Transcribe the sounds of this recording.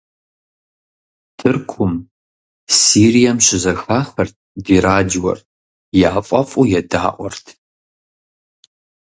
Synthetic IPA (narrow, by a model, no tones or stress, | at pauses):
tʰɨrkʷʰʊm | siːrijɐmɕɪzɐxaːxɐrt̚ʰdiːɾaːd͡ʒwɔ̰r | jaːfʼɐfʼujɛda̰ːʔʷɔrtʰ